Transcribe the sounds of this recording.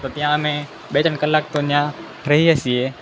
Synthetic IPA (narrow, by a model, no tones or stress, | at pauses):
t̪oːt̪ɪjãːəmẽː | ɓeːt̪ənkəlːaːk̚t̪oːnãː | ɾəɦiːəsieː